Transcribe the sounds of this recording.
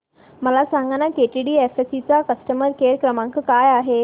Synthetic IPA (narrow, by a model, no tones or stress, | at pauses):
məlasãŋɡanakeʈiɽiːefesit͡sakəsʈəməɾkeɾkɾəmãŋkəkajaɦe